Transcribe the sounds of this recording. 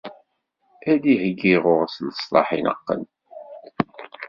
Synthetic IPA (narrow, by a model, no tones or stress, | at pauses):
æðihəɡːiʁʊʁsnəsˤlˤɑ̰ħinə̰qːə̰n